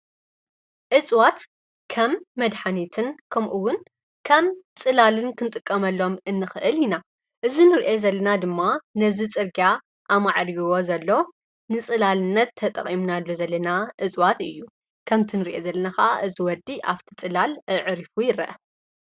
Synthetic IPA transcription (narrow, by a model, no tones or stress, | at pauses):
ʔɨt͡sʼwat̪ | kʰɐmːɐd̪ħanit̪ʰɨnkʰɐmʔuwʊn | kʰɐmt͡sʼɨlalɨnkʰɨnt̪ʼɨkʼːɐmɐlːo̞mɨnːɨxɨʔɨlina | ʔɨzinɨɾʔezɐlːɐnad̪ɨmːanɐzit͡sʼɨɾɡa | ʔamaʕɾijwo̞zɐlːo̞ | nɨt͡sʼɨlalɨnːɐt̪ʰːɐt̪ʼɐ̰qʼimnalːo̞zɐlːɐnaʔɨt͡sʼwat̪ɨjːu | kʰɐmt̪ʰinɨɾʔezɐlːɐnaxaʔaʔɨziwɔd̪ːiʔaβt̪ʰi̥t͡sʼɨlalɨʕɨɾifujɪɾɐ̰ʔɐ